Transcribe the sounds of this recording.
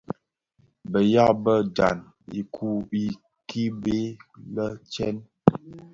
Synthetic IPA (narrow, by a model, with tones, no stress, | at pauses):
bə˨ja˦bə˦da̰˨n | ḭ˨kʰu˦i˦ | ki˦be˦lə˦t͡ʃɛ˦n